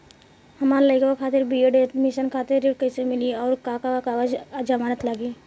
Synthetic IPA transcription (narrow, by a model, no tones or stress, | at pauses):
hɐmaːɾləɪkokʰaːt̪ɪɾbieɖet̪mɪʃənkʰaːt̪ɪɾiʈkəɪsemɪliɔːɾkakakaʋəd͡ʒd͡ʒamaːnət̪laːɡi